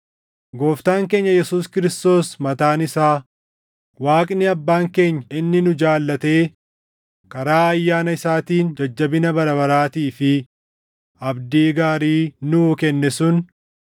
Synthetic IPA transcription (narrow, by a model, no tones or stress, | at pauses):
ɡo̞ːft̪aːŋke̞ːɲːɐjɛsuːskɪɾɪst̪o̞ːsmɐt̪aːnɪsaː | waːkʼnɪɐbːaːŋke̞ːɲːɐɪnːɪnʊd͡ʒaːlːɐt̪e̞ː | kɐɾaːɐjːaːnɐɪsaːt̪iːnd͡ʒɐd͡ʒːɐbɪnɐbɐɾɐβɐɾaːt̪iːfɪ | ɐbd̪iːɡaːɾiːnʊːkɛnːɛsʊn